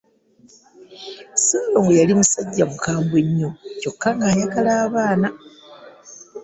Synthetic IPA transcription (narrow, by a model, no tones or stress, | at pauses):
sejoŋɡejalimusaɟːamukaːmbwe̞ɲːoco̞kːaŋɡaːjaɡalaːβaːna